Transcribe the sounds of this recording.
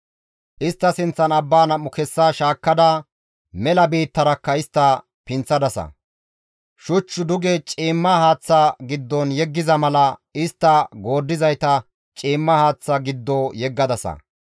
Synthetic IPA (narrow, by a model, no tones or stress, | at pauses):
ʔɪst̪ːɐsɪnt͡sːɐnɐbːaːnɐmːʊkɛsːaːʃaːkːɐd̪ɐ | mɛlɐbiːt̪ːɐɾɐkːɐɪst̪ːɐ | pɪnt͡sːɐd̪ɐsɐ̰ | ʃʊt͡ʃːʊd̪ʊɡɛt͡ʃʼiːmːɐhaːt͡sːaɡɪd̪ːɔnjɛɡːɪzɐmɐlɐɪst̪ːɐɡo̞ːd̪ːɪzɐjt̪ɐ | t͡ʃʼiːmːɐhaːt͡sːaɡɪd̪ːoːjɛɡːɐd̪ɐsɐ̰